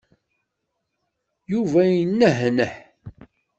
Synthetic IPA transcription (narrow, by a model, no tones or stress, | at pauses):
juvæjənːəɦnəħ